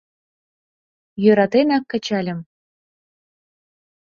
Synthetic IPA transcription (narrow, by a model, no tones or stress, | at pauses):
jøɾɑt̪enɑkːɤ̆t͡ɕɑlʲɘ̆m